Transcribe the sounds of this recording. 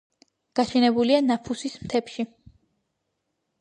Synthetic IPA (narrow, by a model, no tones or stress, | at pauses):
ɡ̥aʃɛnɛbulianapʰusismt̪ʰɛpʃi